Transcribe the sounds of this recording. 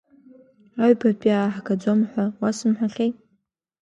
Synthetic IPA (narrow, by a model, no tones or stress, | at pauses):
aɥbapʼaħakʰad͡zʷomħʷᶣawasɨmħʷᶣaχʲejtʼ